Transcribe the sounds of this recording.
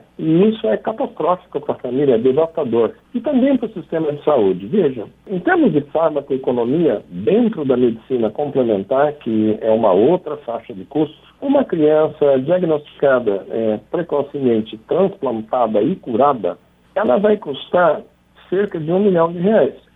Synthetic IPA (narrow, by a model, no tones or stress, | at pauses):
ɪisʊɛkat̪ast̪ɾɔfi̥kʊpɾɐfamilʲɐd̪evast̪ad̪oɾ | ɪt̪ɐ̃mbẽj̃pɾʊsist̪ẽmɐd͡ʒɪsaud͡ʒɪveʒɐ̃ẽt̪eɾmʊzd͡ʒɪfɔɾmɐkʊekonomiɐd̪ẽnt̪ɾʊd̪ɐmed͡ʒisĩnɐkõmplemẽnt̪aɾkɪɛũmɐ̰owt̪ɾɐfaʃɐd͡ʒɪkust̪ʊ̥sũmɐkɾiɐ̃sɐd͡ʒiaɡnost͡ʃi̥kad̪ɐɛpɾekosimẽnt͡ʃɪt̪ɾɐ̃splɐ̃nt̪ad̪ɐɪkuɾad̪ɐ̰ | ɛlɐvajkust̪aɾ | seɾkɐd͡ʒɪũmiʎɐ̃w̃d͡ʒɪɦeajs